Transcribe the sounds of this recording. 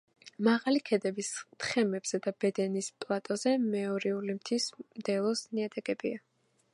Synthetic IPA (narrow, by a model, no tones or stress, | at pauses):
maʁalikʰɛd̪ɛbist̪ʰχɛmɛbz̥ɛd̪abɛd̪ɛnispʼlˠat̪ʼɔzɛmɛɔɾiulimt̪ʰismd̪̥ɛlˠɔsniat̪ʼɛkʼɛbia